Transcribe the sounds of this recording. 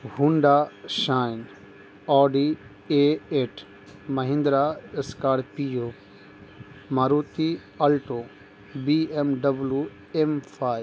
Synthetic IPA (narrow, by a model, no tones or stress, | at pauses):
ɦũɳɖaʃaːin | ɔːɖi | eːeːʈʰ | mɐɦɪ̃nd̪ɾaɪskaːɽpijoː | maːɾuːt̪i | ɐlʈo | biemɖɐblu | emfʰaːj